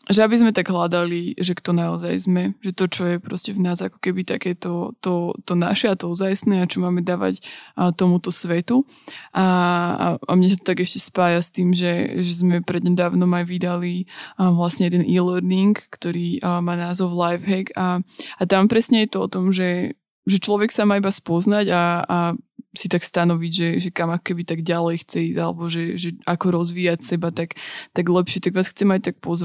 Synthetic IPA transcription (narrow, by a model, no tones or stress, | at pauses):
ʒɛabizmɛt̪aɡɦlad̪aliʒɛkt̪ɔnaɔza̰jzmɛʒɛt̪ɔt͡ʃɔjɛpɾɔ̰scɛvnaːzakɔ̥kɛbit̪akɛːt̪ɔt̪ɔt̪ɔna̰ʃɛat̪ɔuzajsnɛːat͡ʃɔmaːmɛd̪aːʋa̰cːt̪ɔmut̪ɔsʋɛt̪u | ʔaa̰a̰mɲɛs̬at̪ɔ̥t̪aɡɛʃcɛspaːjast̪iːmʒɛʒɛzmɛpɾɛd̪ɲɛd̪aːʊnɔmajʋid̪aliʋlasɲɛjɛd̪ɛnilɛɾniŋkːt̪ɔɾiːmaːnaːzɔʊlajfɦɛɡaat̪ampɾɛsɲɛjɛt̪ɔɔ̰t̪ɔmʒɛ | ʒɛt͡ʃlɔʋɛksamaːibaspɔznaɟaː | sit̪akst̪anɔʋiɟʒɛʒɛkamakɔ̥kɛbit̪aɡɟalɛjxt͡sɛiːzalɛ̰bɔʒɛʒɛakɔɾɔzʋiːacsɛbat̪akt̪aɡlɛpʃɛt̪aɡʋaːsxt͡sɛmajc̚t̪ak̚pɔzʋa